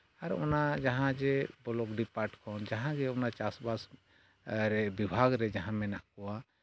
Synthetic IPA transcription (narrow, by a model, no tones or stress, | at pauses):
aɾɔ̰nad͡ʒaɦãd͡ʒɛbɔlɔkɖipaɾʈkʰɔnd͡ʒaɦãɡɛɔnat͡ʃasbas | ɾɛbibʱaɡɾɛd͡ʒaɦãmɛnaʔkɔwa